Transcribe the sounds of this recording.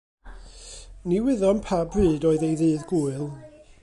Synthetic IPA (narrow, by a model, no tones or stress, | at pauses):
niwɪðɔnpʰabrɨːdɔːɨðejðɨːðɡuɨlˠ